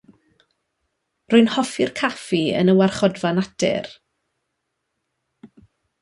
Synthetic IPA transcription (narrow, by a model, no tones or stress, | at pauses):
rʊɨnhɔfɪrkʰafiə̰nəwarχɔdvanatɛ̰r